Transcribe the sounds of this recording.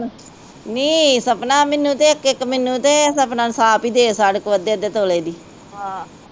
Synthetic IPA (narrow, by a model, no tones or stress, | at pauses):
niːsəpnãːmɪnːũːt̪eːɪkɪkːmɪnːũːt̪eːsəpnãːsaːpiːd̪eːsaɽəkʋəd̪eːəd̪eːt̪oːleːd̪iː | ɦãː